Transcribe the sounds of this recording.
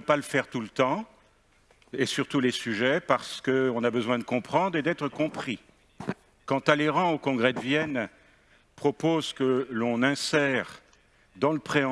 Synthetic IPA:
øpaləfɛʁt̪ulət̪ɑ̃ | esyʁt̪ulesyʒɛpaʁsə̥kəɔ̃nabəzwɛ̃d̪əkɔ̃pχɑ̃d̪ʁed̪ɛt̪χəkɔ̃pχi | kɑ̃t̪aleʁɑ̃okɔ̃ɡʁɛd̪əvjɛn | pχɔpozkəlɔ̃nɛ̃sɛʁ | d̪ɑ̃ləpχẽ

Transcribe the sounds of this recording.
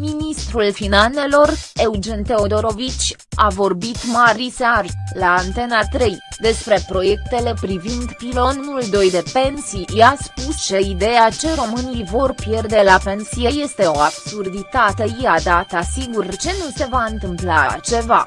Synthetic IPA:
minist̪ɾulfinane̞lo̞re̞wd͡ʒe̞nt̪e̞o̞d̪o̞ɾo̞vit͡ʃʲ | avo̞rbit̪maɾisarlaːnt̪e̞nat̪ɾe̞jd̪e̞spɾe̞pɾo̞je̞k̚t̪e̞le̞pɾivind̪pilo̞nuld̪o̞jd̪e̞pe̞nsijaspust͡ʃe̞id̪e̞jat͡ʃe̞ɾo̞mɨnijvo̞rpjerd̪e̞lape̞nsije̞je̞st̪e̞o̞absurd̪it̪at̪e̞jiad̪at̪əsiɡurt͡ʃe̞nuse̞vaɨnt̪ɨmplat͡ʃe̞va̰

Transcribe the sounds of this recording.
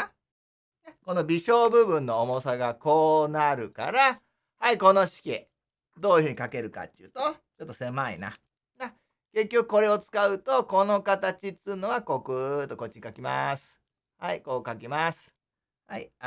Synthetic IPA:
ako̞no̞bʲiɕo̞ːbɯ̟bɯ̟̃nːo̞ːmo̞saɡako̞ːnaɾɯ̟ka̰ɾa | haiko̞no̞ɕi̥kʲḛ | d̪o̞ːjiɯ̟hɯ̟ɲ̟ikake̞ɾɯ̟ka̰t̪ːɯ̟ːt̪o̞ | t͡ɕo̞t̪ːo̞se̞maḭna̰ | ɡa | ke̞kʲːo̞kɯ̟̥ko̞ɾe̞o̞t͡sɨ̥kaɯ̟t̪o̞ko̞no̞kat̪at͡ɕit͡sɨnoɡako̞kɯ̟t̪ːo̞ko̞t͡ɕikakʲima̰sɨ̥ | haiko̞ːkakʲimasɨ̥ | haḭ

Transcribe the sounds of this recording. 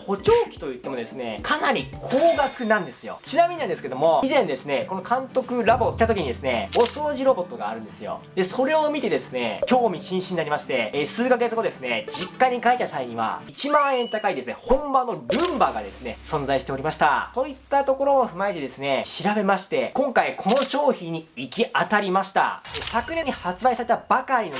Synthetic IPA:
ho̞t͡ɕo̞ːkʲi̥t̪o̞jɯ̟t̪ːe̞mo̞d̪esɨne̞kʰanaɾʲikʰoːɡakɯ̟nãnd̪e̞sɨjo̞̰t͡ɕinamiɲ̟inãnd̪esɨkee̞d̪o̞mo̞izẽ̞nd̪e̞sɨne̞ko̞no̞kʰãnt̪o̞kɯ̟ɾabo̞kʲit̪at̪okʲiɲ̟id̪e̞sɨne̞oso̞ːʑiɾo̞bo̞t̪ːo̞ɡaːɾɯ̟̃nd̪esɨjo̞̰d̪e̞so̞ɾe̞o̞mʲit̪e̞d̪e̞sɨne̞kʲo̞ːmʲiɕĩɕĩɲːinaɾʲimaɕi̥t̪e̞sɨːkaɡe̞t͡sɨɡo̞d̪e̞sɨne̞d͡ʑikːaɲ̟ikait̪ːasaiɲ̟ĩβa̰it͡ɕimãɰ̃ẽ̞nt̪akaid̪e̞sɨne̞hõ̞mbanːoɾɯ̟̃mbaɡad̪e̞sɨne̞sõ̞nd͡zaiɕi̥t̪e̞oɾimaɕi̥t̪a̰t̪o̞it̪ːat̪o̞ko̞ɾo̞oɸɯ̟maet̪e̞d̪e̞sɨne̞ɕiɾabe̞maɕi̥t̪e̞kõ̞ŋkaikʰo̞no̞ɕo̞ːçĩɲ̟ːiikʲiat̪aɾʲimaɕi̥t̪a̰esakɯ̟nẽ̞ɲihat͡sɨbaisaɾe̞t̪abakaɾʲino

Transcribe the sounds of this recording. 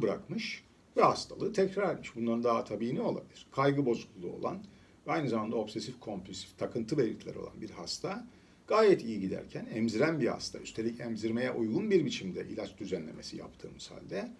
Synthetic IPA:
bɯɾa̰kmɯʃ | vɛhast̪ʰalˠɯːt̪ʰɛcɾaɾet̪miʃbunlˠaɾɯnd̪aɦat̪ʰabiːnʲio̞lˠa̰bilʲiɾ̥kʰajɡɯbo̞zuklˠulˠuo̞lˠa̰n | vɛajnɯzamand̪ao̞bsesifkʰo̞mpʰlʲysi̥ft̪ʰakʰɯnt̪ʰɯbelʲit̪ʰlʲæ̰ɛɾolˠa̰nbiɾhast̪ʰa | ɡ̥aːjɛt̪ʰijiɟid̪æ̰ɾcʰænɛmziɾænbiha̰st̪ʰa̰yst̪ʰe̞lʲicʰɛmziɾme̞jɛʔujɡunbiɾbit͡ʃʰimd̪ɛʔḭlʲat͡ʃd̪yzænlʲe̞̰me̞sija̰pt̪ʰɯ̰ːmɯz̥ha̰lʲd̪ɛ

